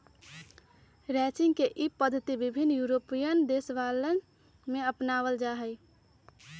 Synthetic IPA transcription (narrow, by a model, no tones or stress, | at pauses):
ɾɛt͡ʃɪ̃ŋɡkeʔipəd̪ʱːət̪ibibʱinːjuɾopijənd̪esʋalən | mẽəpnaʋəld͡ʒaɦəj